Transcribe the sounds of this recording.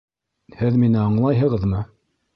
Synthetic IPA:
hɘðminɘɑɴlˠɑjɦɤ̆ʁɤ̆ðmɤ

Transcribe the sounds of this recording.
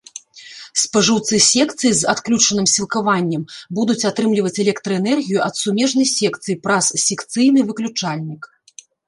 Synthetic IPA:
spaʐɨwt̪sɨsʲɛkt̪sɨjizat̪klʲut͡ʂɐnɨmsʲilˠkavanʲːɛmbud̪ut͡sʲat̪ɾɨmlʲivɐt͡sʲɛlʲɛkt̪ɾɐɛnɛrɣʲijuʔɐt̪sumʲɛʐnɐjsʲɛkt̪sɨjipɾassʲɛkt̪sɨjnɨvɨklʲut͡ʂalʲnʲik

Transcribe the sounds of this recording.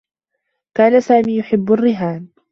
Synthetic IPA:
kaːnasaːmiːjʊħɪbːʊrːɪɦaːn

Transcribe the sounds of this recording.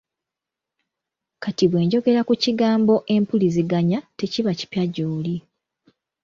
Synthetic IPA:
katiβwe̞ːɲɟo̞ɡe̞ɾakuciɡaːmbo̞ʔe̞mpuliziɡaɲate̞ciβaci̥pjaɟoːli

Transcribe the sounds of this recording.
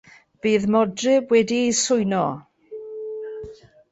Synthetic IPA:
b̥iːðmɔdrɪwɛdisʊjnɔ

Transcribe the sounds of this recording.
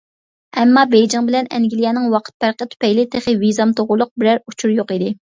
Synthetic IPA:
ɛmːɑbejd͡ʒɪŋbɪlɛnɛ̰ŋɡʲilijɛnɨŋwɑqʰə̥t̪̚pæɾqət̪ʰy̥pɛjlɪt̪ʰeχɪvizɑmt̪ʰoʁʊlˠːʊq̚bɪɾæɾut͡ʃʰuɾjoqid̪ɪ

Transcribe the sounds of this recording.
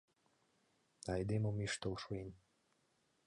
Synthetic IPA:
ɑjd̪emomiʃt̪olʃoin

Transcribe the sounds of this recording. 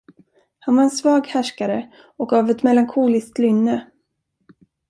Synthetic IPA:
hanvaɾɛnsvɑːɡhæʂkaɾə | ɔkɡavɛt̪mɛlːaŋkʰuːlɪskt̪lʏnːə

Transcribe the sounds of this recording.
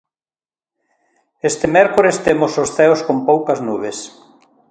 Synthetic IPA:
est̪ɪmɛɾkoɾest̪emososθɛoskompowkɐznuβ̞es

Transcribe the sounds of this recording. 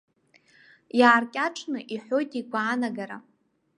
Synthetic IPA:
jaːrkʲʼaʈ͡ʂʰnɨʔiħʷo̞jtʼikʷʰaːnaɡaɾa

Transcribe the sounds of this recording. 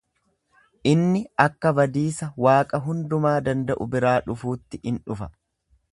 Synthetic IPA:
ʔɪnːɪɐkːɐbɐd̪iːsɐwaːkʼɐɦʊnd̪ʊmaːd̪ɐnd̪ɐʔʊbɪɾaːᶑʊfuːt̪ːɪʔɪnᶑʊfɐ̥

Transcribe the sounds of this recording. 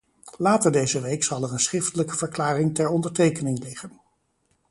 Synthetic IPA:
laːtəɹdejzəʋejksɑlˠɛɹənsχrɪftələkəvəɹklaːrɪŋtɛɹɔndəɹtejkənɪŋlɪχən

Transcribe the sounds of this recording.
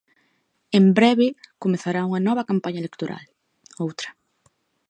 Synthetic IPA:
embɾɛβɪkomeθaɾauŋɐnɔβɐkampaɲɐelekt̪oɾa̰l | owt̪ɾɐ̥

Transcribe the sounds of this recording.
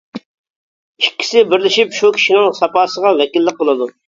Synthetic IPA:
ikʲːi̥sɪbɪɾlɪʃipʃukʲʰi̥ʃinɪŋsɑpɑːsəʁɑvɛkʲilːəq̚bolˠɨd̪u

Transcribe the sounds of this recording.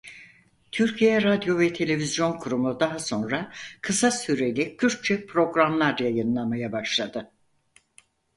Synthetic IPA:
t̪ʰyɾcʰijɛɾad̪jo̞vɛt̪ʰe̞lʲe̞vizjo̞nkʰuɾumud̪aɦaso̞nɾakʰɯsasyɾe̞lʲicʰyɾ̚t͡ʃʰɛpʰɾo̞ɡɾamlˠaɾjajɯnlˠamajabaʃlˠad̪ɯ

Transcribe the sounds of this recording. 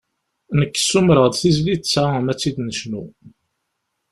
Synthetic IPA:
nəkːsːumɾəʁd̪θizlit͡sːamæt͡sːid̪nəʃnu

